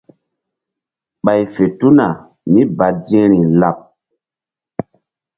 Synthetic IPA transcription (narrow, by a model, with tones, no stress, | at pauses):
ɓa˨jfe˨tu˦na˨ | mi˦ba˨dĩ˦ɾi˨la˨p̚